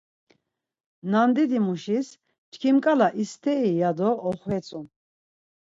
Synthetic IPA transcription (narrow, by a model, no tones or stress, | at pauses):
nand̪id̪imuʃis | t͡ʃkʰimkʼalaʔist̪ʰɛijad̪ɔɔχwɛt͡sʼu